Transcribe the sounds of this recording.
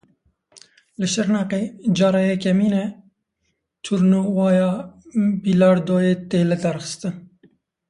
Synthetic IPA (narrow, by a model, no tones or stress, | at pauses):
ləʃəɾnɑːqed͡ʒɑːɾɑjekɛmiːnɛ | t͡ʃʰuɾnuwɑːjɑːbilɑːɾd̪oːjeːt̪eːlɛd̪ɐɾxə̥st̪ɨn